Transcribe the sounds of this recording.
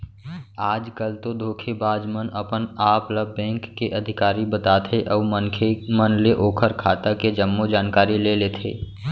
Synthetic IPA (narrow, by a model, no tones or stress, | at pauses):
aːd͡ʒkəlt̪od̪ʱoːkʰebaːd͡ʒmənəpənaːpləbːɛ̃ːŋkːeʔɐd̪ʱɪkaːɾibət̪aːt̪ʰeʔɔːmənkʰemənleʔoːkʰəɾkʰaːt̪aked͡ʒəmːod͡ʒaːnkaːɾileleːt̪ʰḛː